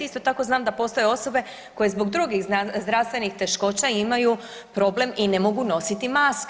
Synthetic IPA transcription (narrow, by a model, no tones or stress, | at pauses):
ist̪o̞t̪ako̞znaːmd̪apo̞st̪o̞jeo̞so̞be̞ | ko̞je̞zbo̞ɡd̪ɾuɡiɣzd̪ɾaʋst̪ʋe̞nixt̪e̞ʃko̞t͡ɕaimaju | pɾo̞ble̞mine̞mo̞ɡuno̞sit̪imaːsk